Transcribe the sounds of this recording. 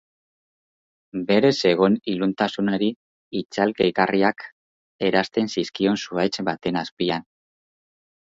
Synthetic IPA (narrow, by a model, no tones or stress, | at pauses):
be̞ɾe̞se̞ɣ̞o̞nilunt̪asunoɾi | it͡salkeikariak | e̞ɾast̪e̞nsiskio̞nsuajt͡sbat̪e̞naspian